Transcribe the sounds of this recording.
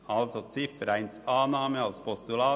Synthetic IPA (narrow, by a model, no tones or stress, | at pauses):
ɑlsot͡sɪfəɾæɪnsɑːnɑːməɑlspʰɔst̪ulɑː